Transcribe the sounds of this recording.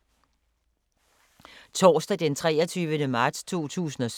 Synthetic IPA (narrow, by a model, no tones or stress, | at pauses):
t͡sʰɒːsd̥æd̥ent͡sʰʁɛːɐt͡sʰyːʋənəmɑ̈ːd̥st͡sʰo̝̰ːt͡sʰṵːsn̩ɒ̽s